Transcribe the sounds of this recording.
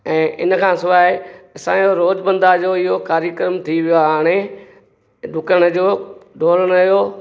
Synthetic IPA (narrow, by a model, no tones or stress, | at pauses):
ɛ̃ːʔɪ̰nəkʰãːsʊʋaːɦɪɐsã̰ːjoɾoːd͡ʑbɐ̃nd̪ad͡ʑoːɪɦokaːɾjəkəɾəmt̪ʰiʋɪjoaaːɽ̃e | ɖʱʊkəɽ̃ə̆d͡ʑoːɖʱoːləɽ̃ɐjoː